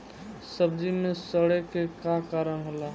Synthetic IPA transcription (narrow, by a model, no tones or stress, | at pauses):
səb̚d͡ʒimẽsəɽekekakaːɾəɽ̃ɦola